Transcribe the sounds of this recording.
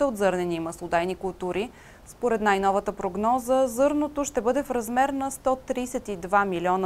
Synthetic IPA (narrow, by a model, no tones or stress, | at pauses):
ɛod̪zɤɾnɛnimɐslˠod̪ajnikʊlˠt̪uɾi | spoɾɛt̪najnɔvət̪əpɾoɡnɔzəzɤɾnot̪oʃt̪ɛbɤd̪ɛfɾɐzmɛɾnɐst̪ɔt̪ɾijsɛt̪id̪vamilʲiɔnə